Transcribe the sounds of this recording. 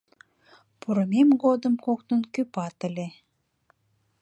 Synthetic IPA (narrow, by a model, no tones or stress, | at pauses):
puɾə̆memɡod̪ə̆mkoknənkypɑt̪ə̆lʲe